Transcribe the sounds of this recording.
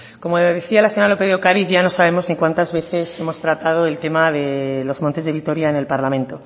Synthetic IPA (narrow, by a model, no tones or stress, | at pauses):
ko̞moðeθialaseɲoɾalo̞peðokaðiθʝano̞saβe̞mo̞znikwant̪azβe̞θe̞se̞mo̞st̪ɾat̪að̞o̞e̞lt̪e̞maðe̞lo̞zmont̪e̞zðeit̪o̞ɾjaene̞lpaɾlamẽ̞nt̪o̞